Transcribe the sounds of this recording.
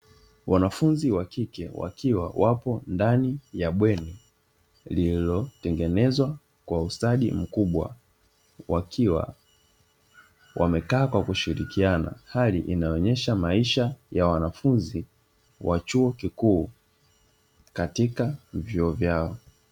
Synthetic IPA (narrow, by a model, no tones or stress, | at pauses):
wanafunziwakikɛwa̰kiwa̰wʔapɔndanijaɓwɛni | lilɔtɛŋɡɛnɛzwa | kwaustaɗḭm̩kuɓwa̰ | wakʰiwa̰ | wʔa̰mɛkaːkwakuʃiɾikiana̰haliʔinaɔɲɛʃamaiʃajawanafunzi | wat͡ʃuɔkikuː | katikavjɔɔvjaɔ